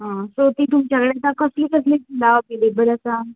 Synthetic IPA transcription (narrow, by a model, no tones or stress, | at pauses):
ɦãsot̪iːt̪umt͡ɕjakəɭet̪akəslikəs̬litud̪aoked̪ebəɾəsa